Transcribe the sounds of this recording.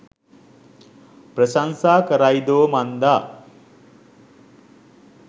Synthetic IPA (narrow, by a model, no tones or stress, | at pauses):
pɾəsansaːkəɾajd̪oːmand̪a